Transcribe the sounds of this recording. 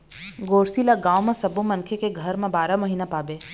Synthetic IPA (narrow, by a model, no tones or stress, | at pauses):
ɡoːɾsilaɡãːwmẽsɐbũmɐ̃nkʰekeɡʱəɾmẽbaːɾaməɦiːnapaːbeː